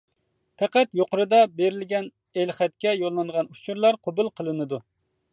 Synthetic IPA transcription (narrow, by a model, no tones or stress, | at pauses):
pʰɛqæt̪joqəɾɨd̪ɑbeɾɪlɡʲɛn | elχɛt̪kʲɛjolˠːɨnʁɑnut͡ʃʰuɾlˠɑɾqʰobulˠqʰəlˠɨnɨd̪u